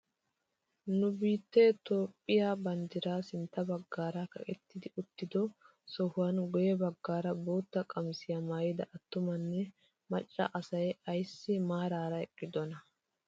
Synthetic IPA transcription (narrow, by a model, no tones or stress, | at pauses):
nʊbiːt̪ːɛt̪o̞ːpʼːɪjaːbɐnd̪ɪɾaːsɪnt̪ːɐbɐɡːaːɾɐkɐ̰kʼɛt̪ːɪd̪ɪʊt̪ːɪd̪ɔ | sɔhʊwɐnɡɔjɛbɐɡːaːɾɐbo̞ːt̪ːɐkʼɐmsɪjɐmaːjɪd̪ɐ̰ʔɐt̪ːʊmɐnːɛ | mɐt͡ʃʼːɐ̰ʔɐsɐjɐjsːɪmaːɾaːɾɐɛkʼːɪd̪ɔnɐ